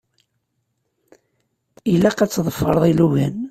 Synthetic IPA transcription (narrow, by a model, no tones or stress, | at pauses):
ilæqæt͡sːðˤəfːə̰ɾˤðˤiluʝæn